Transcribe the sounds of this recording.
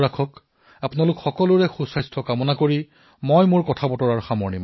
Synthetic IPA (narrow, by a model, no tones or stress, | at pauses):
akʰɔk | apʊnalʊkxɔkɔlʊɹɛxusajstʰɔkamɔnakoɹi | mojmʊɹkɔtʰabɔtɔɹaɹxamɔɹnim